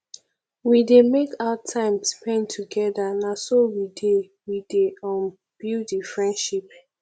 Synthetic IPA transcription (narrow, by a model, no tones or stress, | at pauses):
widemekaʊatʰãɪ̃mspʰɛ̃ntʰuɡɛðanasowide | wideɔn | b̥idifɹɛ̃ndʃip̚